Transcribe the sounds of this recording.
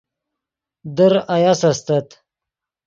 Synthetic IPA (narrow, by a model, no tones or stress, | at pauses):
d̪əɾajasast̪ɐt̪